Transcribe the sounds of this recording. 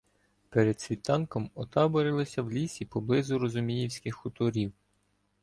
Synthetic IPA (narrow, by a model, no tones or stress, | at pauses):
peɾed̪sʲʋʲit̪ɑnkɔmɔt̪ɑbɔɾɪlˠɔsʲɐwlʲisʲipɔblˠɪzʊɾɔzʊmʲijiwsʲkɪxʊt̪ɔɾʲiw